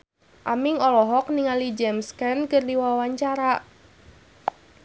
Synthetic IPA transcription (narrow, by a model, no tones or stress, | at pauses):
ʔamiŋɔlɔɦɔk̚niŋalid͡ʒɛmskɛnkɨrdiwawaɲt͡ʃaɾa